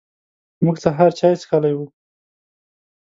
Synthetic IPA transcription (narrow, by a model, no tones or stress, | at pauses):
muɡsaɦaɾt͡ʃɑjskalajwu